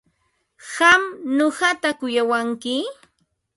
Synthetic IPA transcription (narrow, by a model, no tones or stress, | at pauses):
hɑmɲoɢɑt̪akʊjawaŋkɪ